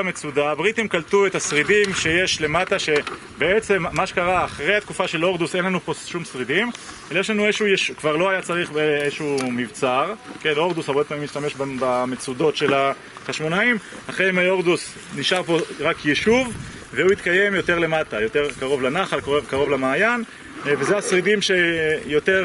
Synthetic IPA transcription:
amet͡sudabʁit̪imkaltuet̪hasʁidimʃe̞jeʃle̞mataʃe̞ | beet͡se̞mːaʃe̞kaʁaːχʁejhat̪kufaʃe̞lo̞ʁd̪usenlanupo̞sʃumsʁid̪im | elajeʃlanueʃujeʃkvaʁlo̞ajat͡saʁiχbeʃumivt͡saʁke̞no̞ʁd̪usaʁbeppaːmimiʃtame̞ʃbbamet͡sud̪o̞tʃe̞la | χaʃmo̞naim | aχʁeimajo̞ʁd̪us | niʃaʁpo̞ʁakjeʃuv | veuit̪kaje̞mjo̞te̞ʁle̞mat̪ajo̞t̪e̞ʁkaʁo̞vlanaχalkevkaʁo̞vlamaːjan | vezeasʁidimʃejo̞t̪e̞ʁ

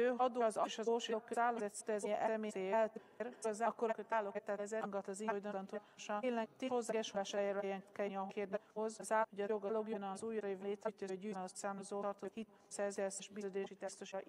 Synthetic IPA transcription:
øːɦɒd̪oɒzɒʃɒoːʃeokːøzaːlozɛt̪st̪ɛzɛʔɛɛmeːsejɛt̪ː | ɾoɾzakːoɾkøt̪aːlokt̪ːɛzɛŋɡɒt̪ɒzijd̪ot̪ɒnt̪o | ʃeːnlɛt̪eːho̞zːaɡɛʃolaːʃaːjeɾɛjɛŋkɛɒkeːrd̪hozzaːhoɟɒjoɡɒloɡjønɑzuːjɾɒjevleːt̪ɾɛt̪ːøɟyːnt̪saːmzoːrt̪ohitt̪ | sɛrzɛsɛʃbizøːd̪eːʃit̪ɛst̪oʃ

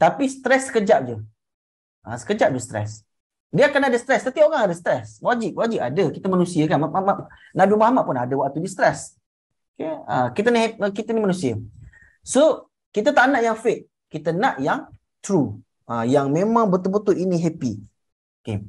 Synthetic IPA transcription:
t̪apist̪ɾɛsːə̥kəd͡ʒap̚d͡ʒə | ʔa̰sə̥kəd͡ʒap̚dust̪ɾɛ̰s | diəakanadəsət̪ɾɛst̪ət̪iaoɣaŋadəsət̪ɾɛswad͡ʒip̚wad͡ʒipa̰dəkit̪əmanũsiakanaama | nabimahmaʔ̚punadəwaʔ̚t̪udist̪ɾɛs | okeə̰kit̪əniɦəkit̪ənimanũsiə | so | kit̪ət̪aʔnaʔjaŋfeʔ̚ | kːit̪ənãʔjaŋ | t̪ɾu | ʔajaŋmẽmãŋbət̪ubət̪uʔiniɦepḭ | okḛ

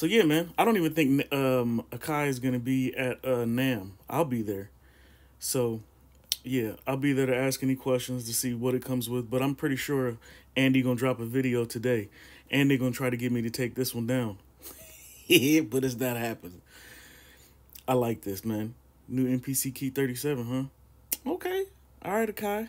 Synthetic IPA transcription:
soʊjæmæ̃naɪɾõʊ̃ntivɨ̃nθɪ̃ŋk̚nʌ̃mɨkʰaɪɨzɡʌnɨbiɨɾʌnæ̃mʔa̰ɪlˠbiðə˞ | soʊ | jæa̰ɪlˠbiðə˞ɾɨæskɛnikʰw̥ɛst͡ʃɨ̃nz̥tʰɨsiwʌɾɨt̚kʰʌ̃mzwɪðbʌɾãɪ̃mpʰɹ̥ɪɾiʃʊɹæ̃ndɨɡõʊ̃ndɹɑpəvɪɾioʊtʰɨdeɪ | ʔɨ̃nðeɪɡõʊ̃ntʰɹ̥aɪɾɨɡɛt̚miɾɨtʰeɪk̚ðɪswʌ̃ndãʊ̃n | bʌɾɨzðɨt̚hæpɨ̃n̩z̥ | aɪlaɪk̚ðɪsmæ̃nː | ʉɛ̃npʰisikʰiθɜ˞ɾisɛvə̃nɦʌ̃ | oʊkʰeɪ | ʔaɪɹaɾɨkʰaɪ

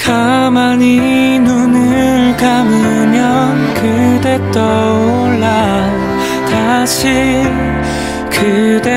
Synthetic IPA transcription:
kʰamani | nunɯɭkamɯ | mjʌnkʰɯd̪et͈ʌoɭːa | t̪aɕʰi | kʰɯd̪e

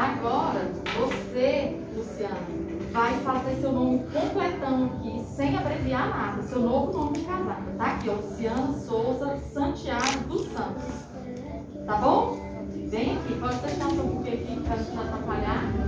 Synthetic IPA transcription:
aɡɔɾɐvose | lusiɐ̃nɐ | vajfazeɾsewnõmɪkõplɛt̪ɐ̃w̃akisẽj̃apɾevianad̪ɐsewnovʊnõmɪɪ̃kazad̪ɐt̪aːkiɔlusiɐ̃nʊsowzɐsɐ̃t͡ʃiaɡʊd̪ʊsɐ̃nt̪ʊs | t̪abõw̃ | vẽj̃akipɔd͡ʒɪseʃt̪ãsõpʊkeɐkit̪aʒẽt͡ʃzat̪ɾapaʎaɾ

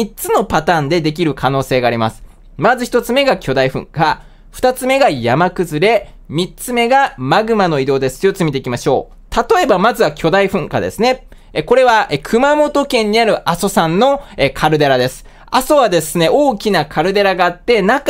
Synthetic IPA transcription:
it͡sɨno̞pat̪ãːnd̪e̞d̪e̞k̬ʲiɾɯ̟kʰano̞ːse̞ːɡaːɾʲimasɨ̥ | mazɨçi̥t̪o̞t͡sɨme̞ɡakʲo̞d̪aiɸɯ̟̰̃ŋka | ɸɯ̟̥t̪at͡sɨme̞ɡajamakɯ̟zɨɾe̞ | mʲit͡sɨme̞ɡamaɡɯ̟mano̞id̪o̞ːd̪e̞sɨ̥jot͡sɨmʲit̪e̞ikʲimaɕo̞ː | t̪at̪o̞e̞bamazɨβakʲʰo̞d̪aiɸɯ̟̃ŋka̰d̪e̞̰sɨne̞ | ko̞ɾe̞βaekʰɯ̟mamo̞t̪o̞kẽ̞ɲ̟ːiaɾɯ̟ʔaso̞sãnːo̞ekʰaɾɯ̟d̪eɾad̪e̞sɨ̥ | aso̞βad̪e̞sɨne̞o̞ːkʲinakʰaɾɯ̟d̪eɾaɡaːt̪ːe̞nak

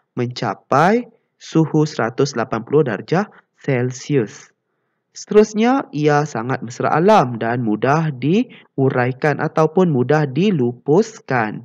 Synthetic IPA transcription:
mə̃ɲt͡ʃa̰paj | suhusəɾat̪ʊslapanpulʊhda̰rd͡ʒa | sɛlsius | sə̥t̪əɾʊsɲaiasaŋat̪̚məsəɾa̰ʔalamdanmudahdi | uɾajkanʔa̰t̪awpʊnmũdahdilupʊskan

